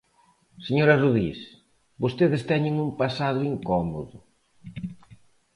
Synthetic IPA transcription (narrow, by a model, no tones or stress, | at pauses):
seɲoɾɐruðis | bost̪eðɪst̪ɛɲɪŋumpasaðʊiŋkɔmo̰ðʊ